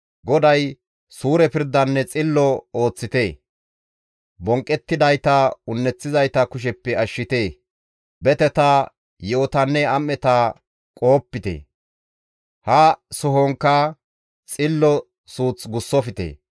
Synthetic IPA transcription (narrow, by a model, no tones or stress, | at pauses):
ɡɔd̪ɐj | suːɾɛpɪɾd̪ːɐnːɛt͡sʼɪlːɔoːt͡sːɪt̪e̞ː | bɔŋkʼːɛt̪ːɪd̪ɐjt̪ɐʊnːɛt͡sːɪzɐjt̪ɐkʊʃ̬ɛpːɛɐʃːɪt̪eː | bɛt̪ɛt̪ɐ | joːt̪ɐnːɛɐmːɛt̪ɐ | kʼɔːpːɪt̪ḛː | hɐsʊɦɔŋkːɐ | t͡sʼɪlːɔ | suːt͡sɡʊsːɔfɪt̪ḛː